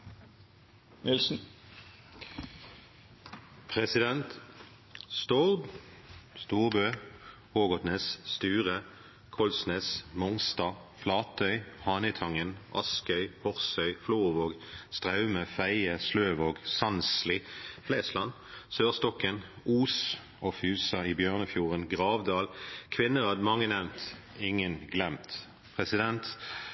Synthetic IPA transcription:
nɪlsn̩ | pʰʁɛsɪd̪ɛnt̪ | st̪ɔʁb | st̪uːʁbøːhoːɡɔt̪neːsst̪ʉːʁə | kʰɔlsneːsmɔŋst̪ɑːflɑːt̪ʰœʏhɑːnɪt̪ʰɑŋənʔɑskœʏhɔʁsœʏfluːʁʋoːɡst̪ʁɑʉməfæɪəsløːʋoːɡsɑnslɪfleːslɑn | søːʁst̪ɔkən | uːs | ofʉːsɑiːbjøːʁnəfjuːʁənɡʁɑːʋd̪ɑːlkʰʋɪnːəʁɑd̪mɑŋːənɛʋnt̪ | ɪŋənɡlɛmt̪ | pʰʁɛsɪd̪ɛnt̪

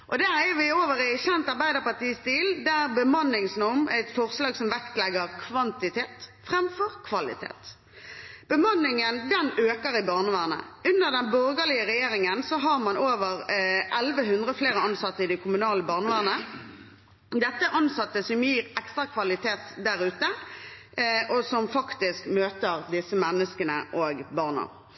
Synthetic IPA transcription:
ʔɔd̪æːʁæʋɪoːʋəʁæɪɕɛnt̪ɑʁbæɪd̪əʁpɑʁt̪iːst̪iːld̪æʁbəmɑnːɪŋsnɔmæɪt̪fɔʁslɑːɡsɔmʋɛkt̪lɛɡəʁkʰʋɑnt̪ɪt̪ʰeːt̪fʁɛmfɔʁkʰʋɑlɪ̰t̪ʰḛːt̪ | b̥əmɑnːɪŋənd̪ɛnøːkəʁɪbɑʁnəʋæːʁnə̰ʔʉnd̪əʁd̪ɛnbɔʁɡəlɪəʁɛjeːɾɪŋənsɔɦɑʁmɑnoːʋəʁʔɛlʋəɦʉnd̪ʁəfleːʁəɑnsɑt̪ːəɪd̪ɛkʰʊmʉnɑːləbɑːʁnəʋæːʁnə | d̪ɛt̪ːəʔɑnsɑt̪ːəsɔmjiːʁɛkst̪ʁɑkʰʋɑlɪt̪ʰeːt̪d̪æʁʉːt̪ə | ʔɔsɔmfɑkt̪ɪskmøːt̪əʁd̪ɪsəmɛnːəskənə̰ʔoːɡbɑʁnə̰ʁ

